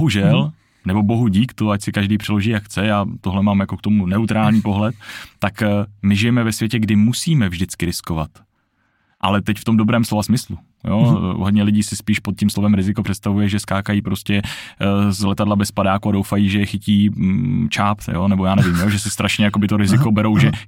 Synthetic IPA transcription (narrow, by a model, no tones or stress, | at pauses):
boɦuʒɛl | nɛbo̞bo̞ɦuɟiːkt̪oacsɪkaʒdiːpr̝̥ɪlo̞ʒiːjakxt͡sɛjaːt̪oɦlɛmaːmjako̞k̚t̪o̞munɛut̪ɾaːlɲiːpo̞ɦlɛt̪ːakmɪʒɪjɛmɛvɛsvjɛcɛɡdɪmusiːmɛvʒdɪt͡skɪɾɪskovat̪ | ʔa̰lɛt̪ɛcft̪o̞mdo̞bɾɛːmslovasmɪslu | joɦod̪ɲɛlɪɟiːsɪspiːʃpot̪̚cimslovɛmɾɪzɪkopr̥ɛt̪st̪avujɛʒɛskaːkajiːpɾo̞scɛ | zlɛt̪adlabɛspadaːkuadowfajiːʒɛjɛxɪciːt͡ʃaːpjo̰nɛbojaːnɛvɪmjo̞ʒɛsɪst̪ɾaʃɲɛjako̞bɪt̪o̞ɾɪzɪko̞bɛɾo̞wʒɛ